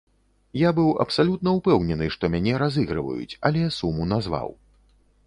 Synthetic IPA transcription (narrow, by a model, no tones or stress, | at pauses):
jabɨwɐ̰psalʲut̪nɐupɛwnʲɛnɨʂt̪ɔmʲanʲɛɾazɨɣɾɨ̰vɐ̰jṵt͡sʲalʲɛsumunazva̰w